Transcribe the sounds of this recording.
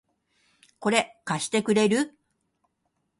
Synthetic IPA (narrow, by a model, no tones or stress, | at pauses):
ko̞ɾe̞kaɕi̥t̪e̞kɯ̟ɾe̞ɾɯ